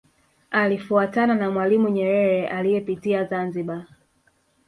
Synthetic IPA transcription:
alifuatananamwalimuɲɛɾɛɾɛʔalijɛpitiazanziɓa

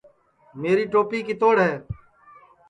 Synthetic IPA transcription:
meːɾiːʈoːpiːkiːt̪oːɽɦɛː

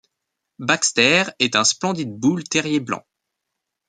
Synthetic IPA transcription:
bakst̪ɛʁɛt̪ɛ̃splɑ̃d̪id̪̚bult̪ɛʁjeblɑ̰̃

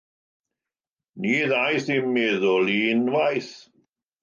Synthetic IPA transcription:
niːðajθimmɪðɔliːnwajθ

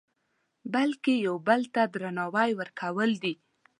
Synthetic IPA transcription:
balkejawbəlt̪ad̪ɾanɑwajwəɾkʰawəld̪i

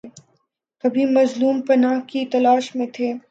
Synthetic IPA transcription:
kɐbʱimɐzluːmpɐnaːɦkit̪ɐlaːʃmẽt̪ʰeː

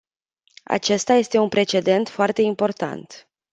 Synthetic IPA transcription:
a̰t͡ʃe̞st̪aje̞st̪e̞unpɾe̞t͡ʃe̞d̪e̞nt̪foart̪e̞impo̞rt̪a̰nt̪

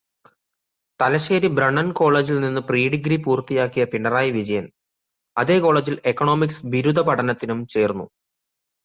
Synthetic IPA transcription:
t̪ɐlɐɕeːɾibɾɐɳːɐnko̞ːɭe̞ːd͡ʑilninːɨpriːɖiɡɾipuːrt̪ːijaːkːijɐpiɳɖɐraːjiʋid͡ʑɐjɐn | ɐðe̞ːko̞ːɭeːd͡ʑile̞kːɐɳo̞ːmiksʋiɾud̪ʱɐpɐʈɐnɐt̪ːinumt͡ɕe̞ːrnːṵ

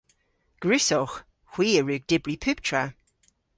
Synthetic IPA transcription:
ɡ̥ɹʉsɔx | xw̥iːəɹʉːɡ̚d̥ɪbɹipʰʉp̚tʰɹa

